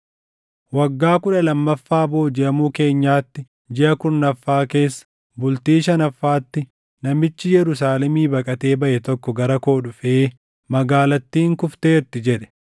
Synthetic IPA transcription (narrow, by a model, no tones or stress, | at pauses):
wɐɡːaːkʊᶑɐlɐmːɐfːaːbo̞ːd͡ʒɛʔɐmuːke̞ːɲːaːt̪ːɪ | d͡ʒɪʔɐkʊnːɐfːaːke̞ːsːɐ̥ | bʊlt̪iːʃɐnɐfːaːt̪ːɪ | nɐmɪt͡ʃːɪjɛɾʊs̬aːlɛmiːbɐkʼɐt̪e̞ːbɐʔɛt̪ɔkːɔɡɐɾɐko̞ːɗʊfeː | mɐɡaːlɐt̪ːiːŋkʊft̪e̞ːɾt̪ɪd͡ʒɛᶑɛ̥